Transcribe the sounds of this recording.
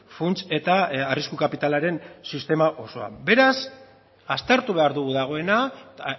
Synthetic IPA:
funt͡se̞t̪aariskukapit̪alaɾe̞nsist̪e̞maʔo̞so̞a̰be̞ɾas | ast̪eɾt̪uβe̞aɾðuɣuðaɣ̞o̞e̞na

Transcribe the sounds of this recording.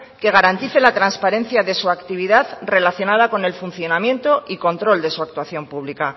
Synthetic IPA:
ke̞ɣ̞aɾant̪iθe̞lat̪ɾanspaɾe̞nθjaðe̞suakt̪iβ̞iðaðre̞laθjo̞nað̞ako̞ne̞lfun̟θjo̞namjẽ̞nt̪o̞ʔiko̞nt̪ɾo̞ld̪e̞suak̚t̪waθjo̞mpuβ̞lika

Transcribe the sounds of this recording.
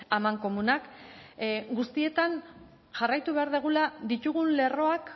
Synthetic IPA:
amaŋko̞munak | ɡust̪ie̞t̪an | ʝarajt̪uβe̞aɾðeɣ̞ulaðit̪uɣunle̞ro̞ak

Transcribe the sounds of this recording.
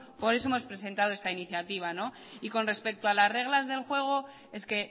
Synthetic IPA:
po̞ɾeoemo̞spɾe̞s̬e̞nt̪aðoest̪ainiθjat̪iβ̞ano̞ | iko̞nre̞spe̞k̚t̪oalazre̞ɣ̞lazðe̞lxwe̞ɣ̞o | e̞ske̞

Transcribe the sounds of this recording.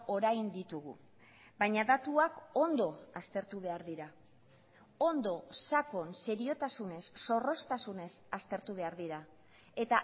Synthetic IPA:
o̞ɾajnd̪it̪uɣ̞ṵ | baɲaðat̪uako̞nd̪o̞ast̪e̞ɾt̪uβ̞e̞aɾðiɾa | o̞nd̪o̞sako̞nse̞ɾio̞t̪asune̞sːo̞ro̞st̪asune̞sast̪e̞ɾt̪uβ̞e̞aɾðiɾa | e̞t̪a

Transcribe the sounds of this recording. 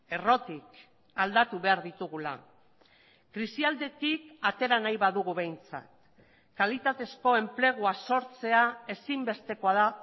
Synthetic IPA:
e̞ro̞t̪ik | ald̪at̪uβe̞aɾðit̪uɣ̞ula̰ | kɾisiald̪e̞t̪ikat̪e̞ɾanajβaðuɣuβe̞jnt͡sa̰t̪ | kalit̪at̪e̞sko̞e̞mple̞ɣ̞uaso̞ɾt͡se̞ae̞simbe̞st̪e̞ko̞aða

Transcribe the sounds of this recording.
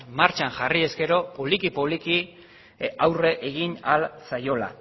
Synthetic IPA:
maɾt͡ʃaŋʝarie̞ske̞ɾo̞polikipoβliki | awre̞ʔeɣinalsajo̞la̰

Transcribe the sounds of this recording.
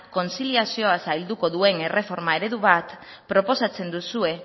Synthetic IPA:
ko̞nsiliasio̞asajld̪uko̞ðue̞ne̞re̞fo̞ɾmae̞ɾe̞ðuβ̞at̪ | pɾo̞po̞sat͡se̞nd̪usue̞

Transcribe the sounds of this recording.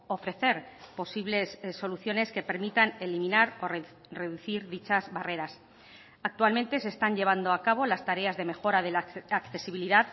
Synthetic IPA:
o̞fɾe̞θe̞ɾ | po̞siβle̞ssːo̞luθjo̞ne̞ske̞pe̞ɾmit̪ane̞limĩnaɾo̞r | re̞ðuθiɾðit͡ʃazβare̞ɾas | ak̚t̪ualment̪e̞se̞ːst̪anʎe̞β̞and̪o̞akaβ̞o̞last̪aɾe̞azðe̞me̞xo̞ɾaðelaakθe̞siβ̞iliðað

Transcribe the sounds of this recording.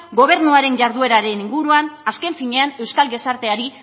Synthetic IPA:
ɡo̞β̞e̞ɾnuaɾe̞ɲʝaɾðue̞ɾaɾe̞niŋɡuɾuanaske̞ɱfiɲe̞ane̞wskalɣe̞saɾt̪e̞aɾi

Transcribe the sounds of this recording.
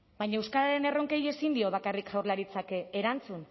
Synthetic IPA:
bajɲaewskaɾaɾe̞ne̞ro̞ŋke̞je̞sind̪io̞βakarikawɾlaɾit͡sakeeɾant͡sun

